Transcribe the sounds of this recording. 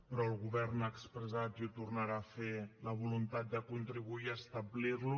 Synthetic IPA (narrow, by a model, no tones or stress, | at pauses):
pɾɔəlˠɣuβɛɾnaːkspɾəzat̪iut̪urnaɾafeləβ̞ulunt̪at̪̚d̪əkunt̪ɾiβuiəst̪əblirlu